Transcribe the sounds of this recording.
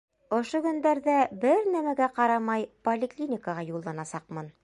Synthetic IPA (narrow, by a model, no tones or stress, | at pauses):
ŏʃoɡɵ̆nd̪æɾðæbɘɾnæmæɡæqɑɾɑmɑjpolʲɪklʲinʲɪkəʁɑjulˠːɑnɑsɑqmɤn